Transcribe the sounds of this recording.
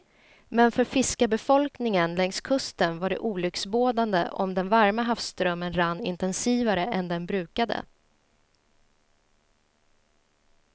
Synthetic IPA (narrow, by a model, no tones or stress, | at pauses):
mɛnfœɾfɪskabɛfɔlknɪŋənlɛŋskʰɵst̪ənvaɖɛ̰ʔuːlʏksboːd̪and̪ə̰ʔɔ̰md̪ɛnvaɾmaɦafst̪ɾœmːənɾanːɪ̰nt̪ɛnsiːvaɾəʔɛnd̪ɛnbɾʉ̟ːkad̪ə̰